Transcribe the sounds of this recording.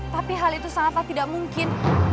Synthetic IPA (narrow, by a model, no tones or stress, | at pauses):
t̪apiɦalit̪usaŋapat̪idaʔmuŋkɪn